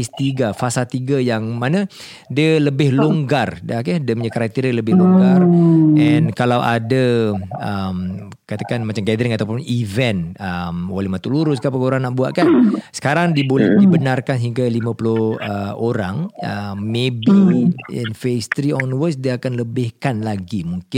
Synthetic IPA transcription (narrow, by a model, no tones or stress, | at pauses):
st̪iɡafasalt̪iɡajaŋmanə̃ | diələbɪhloŋɡardakədəməɲakaɾak̚t̪iɾələbɪhloŋɡarɛnkalawʔa̰daəm | kat̪akanmat͡ʃamɡɛdəɾɪŋat̪awpʊnivɛnəmwalɛhmat̪uluɾʊs̬kapakoɾaŋnaʔbua̰ʔkansə̥kaɾaŋdiəbolɛdibənarkansɦiŋɡalimãpulʊhəoɾaŋəmebiḭnfest̪ɾiɔnwəsdiəakanləbɪhkanlaɡimuŋkɪ